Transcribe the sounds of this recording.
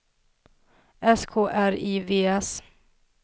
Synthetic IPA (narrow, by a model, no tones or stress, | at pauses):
ɛskʰoːʔæɾiveːɛs